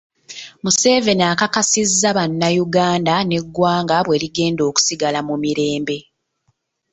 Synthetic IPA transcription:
muse̞ːve̞naːkakasizːaβanːajuɡaːndane̞ɡːwaːŋɡaβwe̞liɡe̞ːndo̞ːku̥siɡalamumiɾe̞ːmbe̞

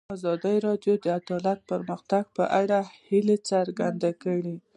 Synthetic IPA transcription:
ɑzɑd̪əjɾɑɖjod̪əad̪ɑlat̪̚pəɾməxt̪aɡ̚pə̰ʔaɽahilet͡saɾɡand̪akəɽi

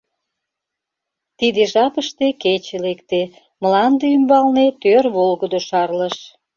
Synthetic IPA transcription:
t̪id̪eʒɑpəʃt̪eket͡ɕelekt̪e | məlɑnd̪eymbɑlnet̪ørβolɣəd̪oʃɑrləʃ

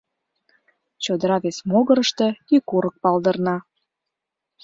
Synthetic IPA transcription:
t͡ɕod̪əɾɑβesmoɣəɾəʃt̪ĕikuɾək̚pɑld̪ə̆rnɑ

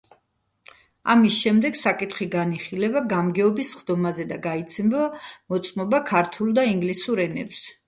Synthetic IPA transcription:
a̰misʃɛmd̪ɛɡsakʼit̪ʰχiɡaniχilɛbaɡamɡɛɔbisχd̪ɔmazɛd̪aɡait̪sʰɛmbamɔt̪sʼmɔbakʰaɾt̪ʰulˠd̪aiŋɡlisuɾɛnɛ̰ps

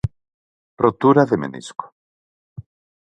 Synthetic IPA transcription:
prot̪uɾaðemḛnḭsko̥

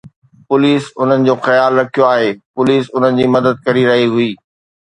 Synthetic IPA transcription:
pʊliːsʊn̤ənɪ̆d͡ʑoːxɐjaːlɾɐkʰijoaːɦeːpʊliːsʊn̤ənɪ̆d͡ʑiːmɐd̪əd̪̚kɐɾiɾɐɦiɦʊiː

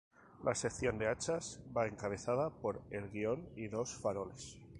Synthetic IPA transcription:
lʔa̰se̞kθjo̞nd̪e̞at͡ʃazbae̞ŋkaβ̞e̞θað̞apo̞ɾe̞lɣio̞niðo̞sfaɾo̞le̞s

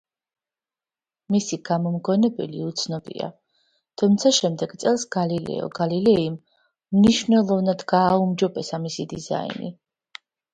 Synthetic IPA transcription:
misiɡamɔmɡɔnɛbɛ̰liut̪sʰnɔbḭa̰ | t̪ʰumt̪sʰaʃɛmd̪ɛɡ̥t̪sʼɛlˠsɡ̥alilɛ̰ɔ̰ɡalilɛim | mniʃvnɛlˠɔvnad̪ɡaːumd͡ʒɔbɛsamisid̪iza̰ḭnḭ

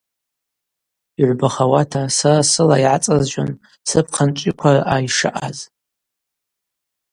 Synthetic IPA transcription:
iʕʷbaχawatʰasarasɨlaiʕat͡sʼazʒa̰n | sɨp̚ʰqʰant͡ʃʷʼikʷʰaraʔaiʂɨʔaz

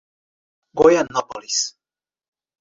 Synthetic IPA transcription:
ɡɔjanːapolis

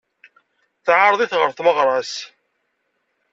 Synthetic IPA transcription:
θʕaɾˤðˤiθʁəɾθməʁɾˤɑs

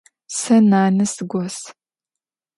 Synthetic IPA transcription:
sɐnaːnɨsɨɡʷɔs

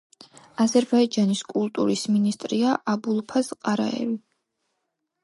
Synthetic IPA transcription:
azɛɾbaid͡ʒaniskʼulˠt̪ʼuɾisminist̪ʼɾiaʔabulˠpʰazqʼaɾa̰ɛ̰vi

